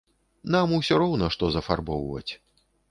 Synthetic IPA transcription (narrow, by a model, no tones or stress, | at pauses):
namuwsʲɔɾɔwnɐʂt̪ɔzɐfa̰rbɔwvɐ̰t͡sʲ